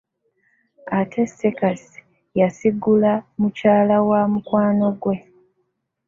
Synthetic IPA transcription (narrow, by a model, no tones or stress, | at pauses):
atʰe̞sekasi | jasiɡulamucaːlawamukwaːno̞ɡwe̞